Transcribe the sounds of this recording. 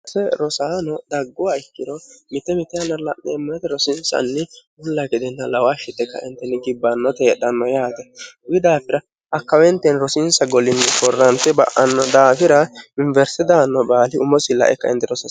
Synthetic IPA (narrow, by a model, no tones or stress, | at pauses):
ɐsɛɾɔsaːnɔd̪ɐɡːʊwaɪkːɪɾɔmɪt̪ːɛmɪt̪ːɛɐnːɐlɐʔɛɛmːɐnɛt̪ɛɾɔsɪnsɐ̰nːɪ | ʊlːɐɡɪd̪ɛnːɐlɐwaʃɪt̪ːɛkːɐ̰ʔɪnt̪ːɛnɪɡɪbːɐnːɔt̪eːɗɐnːɔjaːt̪ɛɡɪd̪aːfɪɾɐ | ʔɐkːɐwɛnt̪ːɛnɾɔsɪnsɐɡɔlɪnːɪkɔrːɐnt̪ɛbɐ̰ʔɐnːɔd̪aːfɪɾɐɪɱvɛɾsɪd̪aːnːɔbaːlɪʔʊmɔsɪlːɐ̰ʔɛ̰kːɐʔɛ̰nt̪ːɛɾɔsɐ